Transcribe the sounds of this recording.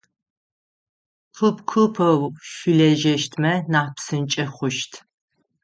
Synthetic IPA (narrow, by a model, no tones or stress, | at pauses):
pʰɨpkʰɨpʰɐwʃilɛʒɛʃtʰmɐnapsɨnt͡ʃʼɐχʷʊʃtʰ